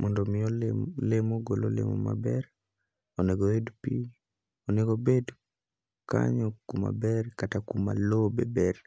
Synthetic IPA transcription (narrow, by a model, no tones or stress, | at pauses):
mɔndɔmɪjɔlemoɡolo̰lḛmɔ̰ma̰bɛɾ | oneɡoedpi | oneɡobed | ka̰ɲɔkuma̰bɛrkatakuma̰lobɛbɛr